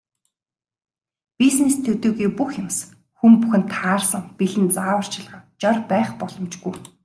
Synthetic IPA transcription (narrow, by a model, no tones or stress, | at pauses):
pisnest̪ʰɵt̪ɵːɣuijpuxjɪms | xumpuxɘ̆nt̪ʰaːrsə̆ŋpiɮɘ̆nt͡saːwə̆r̥t͡ɕʰɪ̆ɮʁə̆ŋt͡ɕɔrpæːχpɔɮɞ̆mt͡ɕɡuj